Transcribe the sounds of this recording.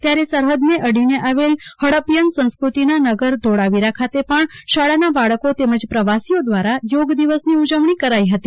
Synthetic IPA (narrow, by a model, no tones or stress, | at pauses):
t̪jaɾesəɾɦəd̪neʔəɽineʔaʋelhəɽəpjənsə̃nskɾut̪inanəɡəɾd̪ʱoɽaʋiɾakʰat̪epəɳʃaɭanabaɭəkot̪eməd͡ʒpɾəʋasijod̪ʋaɾajoɡd̪iʋəsniud͡ʒəʋɳikəɾaiɦət̪i